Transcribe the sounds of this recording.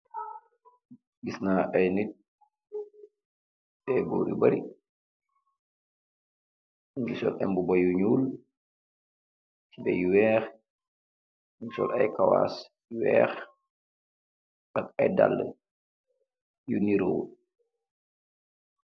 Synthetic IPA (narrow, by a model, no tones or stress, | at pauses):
ɡisnaːʔajnit̚ | bɛbo̰ːɾḭbaɾi | ŋɡisɔ̰lʔɛmbubajuɲuːl | tibɛ̰juwɛːx | ŋɡisɔ̰lajkawa̰ːs | wɛ̰ːx | ʔakajda̰lːə | juniɾoː